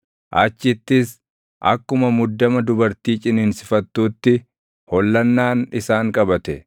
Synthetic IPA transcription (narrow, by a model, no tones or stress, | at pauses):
ʔaːt͡ʃːɪt̪ːɪs | ʔɐ̰kːʊmɐmʊd̪ːɐmɐd̪ʊbɐɾt̪iːt͡ʃʼɪnɪnsɪfɐt̪ːuːt̪ːɪ | hɔlːɐnːaːnɪsaːŋkʼɐbɐt̪ɛ